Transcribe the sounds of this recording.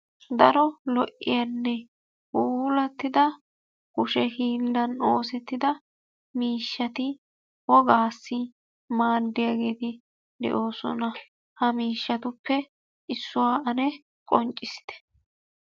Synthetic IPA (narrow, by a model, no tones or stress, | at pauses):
d̪ɐɾɔlɔʔːɪjɐnːɛ | uːlɐt̪ːɪd̪ɐ | hʊʃɛhiːlːɐnoːsɛt̪ːɪd̪ɐ | miːʃːɐt̪ɪ | wɔɡaːsːɪ | maːd̪ːɪjaɡeːt̪ɪ | d̪ɛ̰ʔo̞ːsɔ̰nɐ | hɐmiːʃːɐt̪ʊpʰːɛ | ɪsːʊwaːɐnɛ | kʼɔnt͡ʃʼːɪsɪ̥t̪ɛ̥